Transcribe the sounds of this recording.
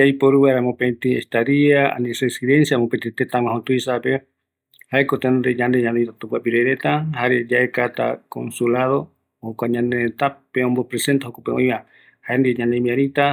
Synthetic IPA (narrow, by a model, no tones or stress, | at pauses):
ajpoɾuβaɾamopet̪iest̪aɾiaa̰nisesiðe̞nsjamopet̪et̪et̪ãwãɦot̪uisape | haekot̪end̪eɲãnd̪eɲãnd̪et̪at̪upapiɾeɾet̪ahaɾed͡ʒaekat̪a̰ko̰nsulaðo̞ | hokʷaɲãnd̪eet̪apeõmbopɾese̞nt̪ahokopeõ̰j̃βa | haend̪iɲãnemĩãɾit̪a